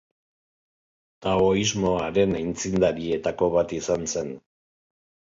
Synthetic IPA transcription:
t̪aoizmo̞aɾe̞najnt͡sind̪aɾie̞t̪ako̞βat̪isanse̞n

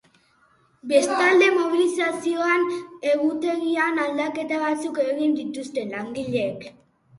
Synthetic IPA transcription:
be̞st̪ald̪e̞mo̞βilisasio̞ane̞ɣut̪e̞ɣianald̪ake̞t̪aβat͡sukeɣɣind̪it̪ust̪e̞laŋɡiʎe̞k

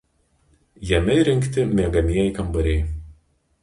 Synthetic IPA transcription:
jɛmʲɛɾʲɪŋʲkt̪ʲɪmʲiɛɡɐmʲiɛiˑkɐmbɐɾʲɛɪ

